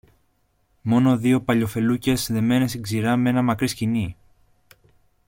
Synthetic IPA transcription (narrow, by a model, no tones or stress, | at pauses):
mo̞no̞ðio̞pɐʎo̞fe̞luce̞sðe̞me̞nesiɡziɾɐmee̞nɐmɐkɾiscini